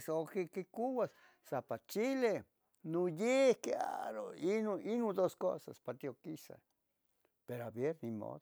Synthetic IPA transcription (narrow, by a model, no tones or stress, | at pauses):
sokekekuwas | sapat͡ʃile | nojehkea̰ɾo̰inoinud̪osko̰sa̰spat̪iokisa̰ | peɾoabjeɾnimo̰ðo